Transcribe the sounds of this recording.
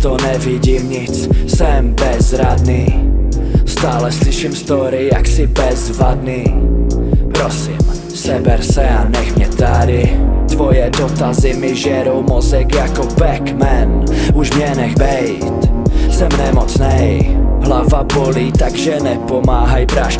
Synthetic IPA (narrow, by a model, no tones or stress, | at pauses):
t̪onɛvɪɟiːmɲɪt͡ssɛmbɛzɾad̪niː | st̪aːlɛslɪʃimst̪oɾɪɪja̰ksɪbɛzvad̪niː | pɾosim | sɛbɛɾsɛanɛxmɲɛt̪adɪt̪vojɛdot̪azɪmɪʒɛɾowmozɛkjakobɛkmɛnuʒmɲɛnɛxbɛj | t̪sɛmnɛmot͡snɛjɦlavaboliːt̪aɡʒɛnɛpomaːɦajpɾaʃ